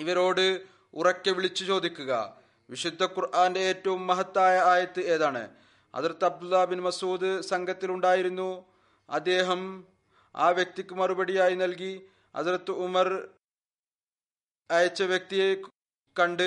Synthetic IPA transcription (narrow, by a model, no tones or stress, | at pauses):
iʋɐɾo̞ːɽɨ | urɐkːɨʋiɭit͡ɕːut͡ɕo̞ːd̪ikʲːuɣɐ̰ | ʋiʂud̪ʱːɐkurʔaːnde̞eːtːɐʋumːɐɦɐt̪ːaːjɐaːjɐt̪ːɨe̞ːðaːɳɨ̰ | ɐ̰ðɐrɐt̪ːɐb̚d̪ulːaːbinmɐsuːd̪ɨsɐŋɡɐt̪ːiluɳɖaːjiɾunːu | ɐ̰d̪ːe̞ːɦɐm | a̰ːʋjɐk̚t̪ikʲːumɐrubɐɽijaːjinɐlk̬i | ɐ̰ðirɐt̪ːɨumɐr | ɐjɐt͡ɕːɐʋjɐk̚t̪ije | kɐɳɖɨ